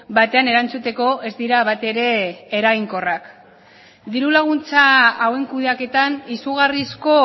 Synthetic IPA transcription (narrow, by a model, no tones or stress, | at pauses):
bat̪e̞ane̞ɾant͡sut̪e̞ko̞e̞zd̪iɾaβ̞at̪e̞ɾe̞ːɾajŋko̞rak | d̪iɾulaɣ̞unt͡saːwe̞ŋkuðeake̞t̪anisuɣ̞arisko̞